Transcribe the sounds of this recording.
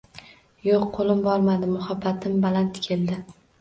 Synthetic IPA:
joqʰːolˠɪmbɒɾmad̪ɪmʊhabːat̪ʰɪmbalant̪kʲʰe̞ld̪ɪ

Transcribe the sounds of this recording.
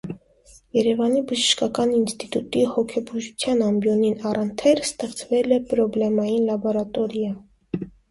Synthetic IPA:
jɛɾɛvɑnibəʒəʃkɑkɑninst̪it̪ut̪ihɔkʰɛbuʒut͡sʰjɑnɑmbjɔninɑrənt̪ʰɛɾst̪ɛχt͡svɛlɛpɾɔblɛmɑjinlɑbɔɾɑt̪ɔɾjɑ

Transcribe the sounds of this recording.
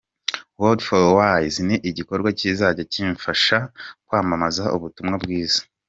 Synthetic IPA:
wodfolwajzniʔiɟiko̞ɾɡwaciːzaɟaciːɱfaʃakwaːmamazaʔṵβutumŋabɡiːz̥ḁ

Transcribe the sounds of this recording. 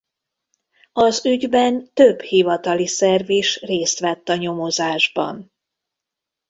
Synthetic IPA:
ɒzyɟbɛnt̪øbhivɒt̪ɒlisɛrviːʃreːst̪ʋɛt̪ːɒɲo̞mozaːʒbɒ̰n

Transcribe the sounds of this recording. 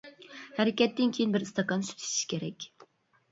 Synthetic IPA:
hæɾɪkʲɛt̪ːɪnkʲʰejinbɪɾɨst̪ɑkɑnsy̥t̪ʰy̥ʃʰi̥ʃkʲʰeɾɛkʲ

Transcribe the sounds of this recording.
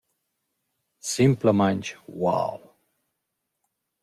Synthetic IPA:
sɪ̃mpləmãnt͡ʃwa̰lw

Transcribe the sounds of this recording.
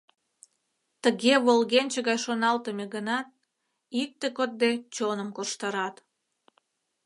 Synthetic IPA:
t̪əɣeβolɣenʲt͡ɕəɣɑjʃonɑlt̪əmeɣənɑt̪̚ | ik̚t̪ekot̪̚d̪et͡ɕonəmkoʃt̪əɾɑt̪

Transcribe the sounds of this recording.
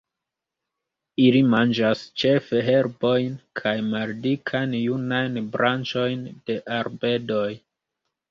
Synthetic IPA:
ilimand͡ʒast͡ʃe̞fe̞ɦe̞ɾbo̞jnkʰajmaldikʰajnjunajnbɾʔant͡ʃo̞jnd̥e̞ʔaɾbe̞do̞j

